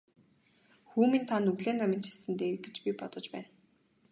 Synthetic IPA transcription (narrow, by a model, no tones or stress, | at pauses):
xuːmĭnt̪ʰanːɵɣɮeːnːamʲɪ̆nt͡ɕʰisɘ̆nt̪eːɡet͡ɕpʲipɔt̪ɞ̆t͡ɕpæːn